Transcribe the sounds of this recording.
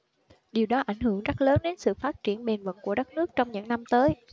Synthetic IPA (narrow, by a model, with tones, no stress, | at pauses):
ɗi˨˩əwɗɔ˨˦ʔa˧˩jŋ̟hɨ˧˩əŋzə˦˥t̚ləː˨˦nɗe˨˦nsɨ̰˧˨faː˦˥t̚t͡ɕi˧˩ənɓe˨˩nvə̰˧˨nku˧˩əɗə˦˥t̚nɨ˦˥ək̚t͡ɕɔ˧wŋ͡mɲɨ̰˧˥ŋna˧mt̪əː˨˦j